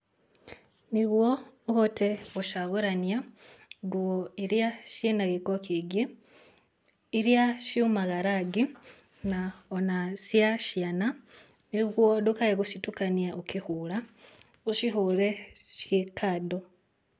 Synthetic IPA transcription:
niɣwouhoteɣuʃaɣuɾanjaɡuoiɾjaʃinaɣikokiɡi | iɾjaʃjumaɣaɾaɡi | naonasjaʃjana | niɣwodukaeɣuʃitukanjaʔokihula | uʃiɦuleʃekʰado

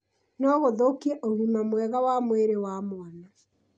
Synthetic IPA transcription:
nɔːɣoðokiɛʔoɣimamwɛɣawamweɾewaːmwana

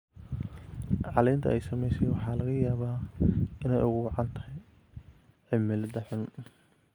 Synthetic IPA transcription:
ʕɑlɛːnt̪ʰɐ̰ʔɛjsɐmɛjsɛjwɑħɑːlɐɣɐjaːβaːɪnɛ̰jʔʊɣʊwɑʕɑnt̪ʰɐhɛj | ʕɪmɪlɐd̪ɐħʊn

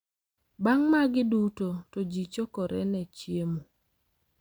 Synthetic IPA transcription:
baŋmaɡɪdutotod͡ʒit͡ʃokɔɾɛ̰nɛt͡ʃjemu

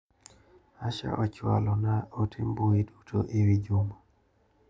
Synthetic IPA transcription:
aʃa̰ʔɔt͡ʃwa̰lɔnaotʰimbuedutʰoʔewid͡ʒuma

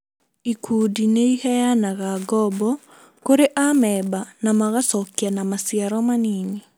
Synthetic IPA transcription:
ikʰudineihɛjanaɣaɡɔbɔ | koɾeʔamɛbanamaɣasɔkjanamasiaɾɔmanine

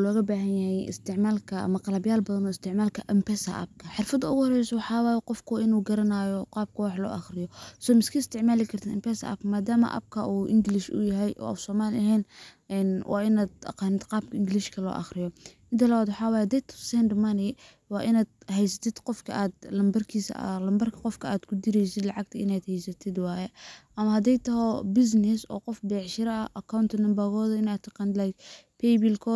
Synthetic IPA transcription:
lɔːɣɐbaːɦɐnjɐhɛjɪ̰st̪ʰɪʕmaːlkʰɐɐ̰mɐqɑlɐbjaːlbɐðɐnɔːɪst̪ʰɪʕmaːlkʰɐʔɐmpɛsɐ̰ʔa̰b̚kʰɐħɪrfɐd̪ɐʊɣʊhɔrɛjsɔwɑħɑːwaːjɛqɔfkʰɔʔɪnuːɡɐɾɐnaːjɔqɑːb̚kʰɐwɑħlɔ̰ːʔɑχrɪjɔsɔmɪskʰɐɪst̪ʰɪʕmaːlɪkʰɐrt̪ʰɐɪmpɛsɐ̰ɐ̰b̚kʰɐmaːd̪aːmɐ̰ʔɐ̰b̚kʰɐʔuːʔɪ̰ŋɡɪlɪʃʊ̰jɐɦɛjʔɔ̰ːfsɔːmaːlɪʔɐɦɛːnʔɛnwʔɑ̰ːɪnaːd̪ɐ̰qɑːnɪd̪qɑːb̚kʰɐɪŋɡɪlɪʃkʰɐlɔ̰ːʔɑ̰xrɪjɔ | ɪnt̪ʰɐlɐwad̪wħɑːwaːjhɐd̪ɛjt̪ʰɔ̥sɛnd̪mɐnɪ | wɑːʔɪnaːd̪̚ɦɛjsɐt̪ʰɪd̪qɔfkʰɐ̰aːd̪lɐmbɐrkʰiːsɐ̰lɐmbɐrkʰɐqɔfkʰɐaːd̪kʰʊd̪ɪɾɛjsɪd̪lɑʕɑɡ̚t̪ʰɐɪnaːd̪hɛjsɐt̪ʰɪd̪wɑːjɛʔɐmɐɦɐd̪ɛjt̪ʰɐɦɔbɪs̬nɪsɔ̰ːqɔfbɛːʕʃɪɾɐɐ̰ʔɐkʰɐwnt̪ʰɐnɐmbɐɣɔːðɐɪnaːt̪ʰɐqɑnlaj | pʰɛjbɪlkʰɔː

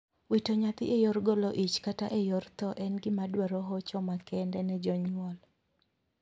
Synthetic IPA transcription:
witɔɲat̪ɪ̰ʔejɔɾɡɔlɔʔit͡ʃkataʔejɔrt̪ɔʔɛnɡɪmadwaɾɔɦɔt͡ʃɔmakɛndɛnɛd͡ʒɔɲwɔl

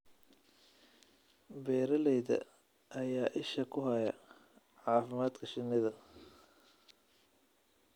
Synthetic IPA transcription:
bɛːɾɐlɛjðɐ̰ | ʔːjaːʔɪʃɐkʰʊɦɐjɐ | ʕɑːfɪmaːd̪kʰɐʃɪnːɪðɐ

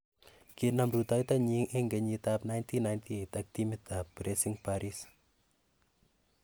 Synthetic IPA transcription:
kinamɾut̪ajt̪aɲiŋʔeŋɡɛɲitapnajntʰinajnt̪ʰietak̚timɪt̪apbɾesɪŋpaɾis

